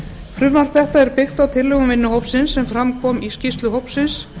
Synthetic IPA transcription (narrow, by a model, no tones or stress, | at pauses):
fɾʏvvaɾ̥t̪θɛht̪aɛɾpɪxt̪awt̪ʰɪlːɛɣʏmvɪnːʏɦowpsɪnsːɛmfɾamkʰvɔːmiscist̪lʏɦowpsɪns